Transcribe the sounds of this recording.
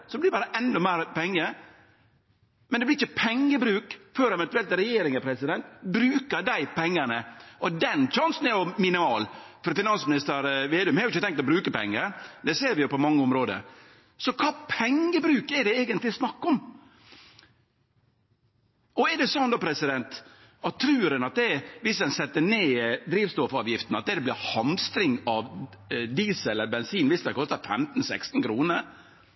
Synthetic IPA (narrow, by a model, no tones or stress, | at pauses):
sɔd̪blɪɾbɑːɾəʔɛnːɔmæɪɾpɛŋːə | mɛnd̪ɛblɪɾɪçːəpʰɛŋːəbɾʉːkføːɾɛʋɛnt̪ʉɛlt̪ɾɛjeːɾɪŋəpʰɾɛsɪd̪ɛnt̪bɾʉːkəd̪æɪpɛŋːənəʔɔd̪ɛnc͡çɑnsn̩ɛɾjɔmɪnɪmɑːlfɔɾfɪnɑnsmɪnɪst̪əɾʋeːd̪ʉmhɑːɾʊɪçːət̪ɛŋkt̪ɔbɾʉːkəpɛ̰ŋːəɾd̪ɛseːɾʋɪjʊpɔmɑŋːəʊmɾoːd̪ə̰ɾ | sɔkʰɑːpʰɛŋːəbɾʉːkɛd̪ɛeːɡənt̪lɪsnɑkːɔm | ʔɔɛɖ̪ɛsɔnd̪oːpʰɾɛsɪd̪ɛnt̪ | ɑtt̪ʰːɾʉːɾənɑt̪̚d̪ɛʋɪsd̪ɛnsɛt̪ːəɳeːd̪ɾiːʋst̪ɔfɑːʋjɪft̪n̩ɑt̪̚d̪ɛd̪ɛblɪhɑnst̪ɾɪŋɑʋd̪iːsɛləɾbɛnsiːnʋɪst̪ɛkʰɔst̪ɑt̪fɛmt̪n̩sɛkst̪n̩kʰɾuːnəɾ